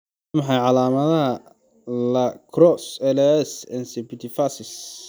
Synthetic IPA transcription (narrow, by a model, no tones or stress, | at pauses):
mɑħɑjʕɑlaːmɐðɐɦɐ | lɐkʰrɔsɛlɛsɛ̰nsɛbit̪ʰifasɪs